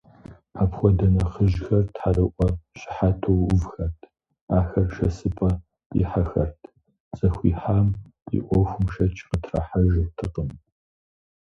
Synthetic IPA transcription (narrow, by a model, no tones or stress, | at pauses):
apxʷɔdɐnɐχəʒxɐrtħarɨʔʷɔɕɪ̥ħatʰowʊvxɐrtʰ | aːxɐrʃɐsɨpʰʼɐ | ḭħaxɐ̰rtʰ | t͡sʼɐxʷḭːħaːmḭʔʷɔxʷʊmʃɐt͡ʃʰʼqətʰrɐ̰ħaʒrtʰɨqʼəm